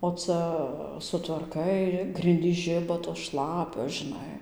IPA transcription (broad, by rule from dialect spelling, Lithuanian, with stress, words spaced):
oː ˈt͡sɐ sʊtʋɐrˈkɐɪ ˈɡrʲɪnʲdʲiːs ˈʒʲɪbɐ toːs ˈʃlˠɑːpʲoːs ʒʲɪˈnɐɪ